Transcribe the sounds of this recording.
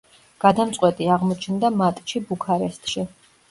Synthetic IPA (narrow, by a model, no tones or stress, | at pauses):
ɡ̥ad̪amt̪sʼqʼwɛt̪ʼiaʁmɔt͡ʃʰnd̪amat̪ʼʃibukʰaɾɛst̪ʼʃi